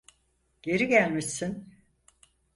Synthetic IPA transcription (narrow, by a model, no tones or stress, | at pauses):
ɟ̥e̞ɾiɟælʲmisin